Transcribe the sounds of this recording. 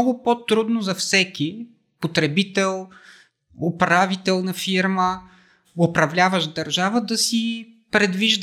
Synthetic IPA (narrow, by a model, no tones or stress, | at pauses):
ɡʊpot̪ɾud̪nozɐfsɛki | pot̪ɾɛbit̪ɛlˠ | opɾavit̪ɛlˠnɐfiɾmə | ʊpɾɐvlʲavəʒd̪ɐɾʒavəd̪ɐsi | pɾɛd̪viʒd̪